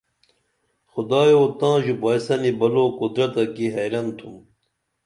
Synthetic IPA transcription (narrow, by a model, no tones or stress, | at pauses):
xud̪aːjoːt̪ãːʑupajsɐnibɐloːkud̪ɾɐt̪ɐkiɦejɾɐnt̪ʰum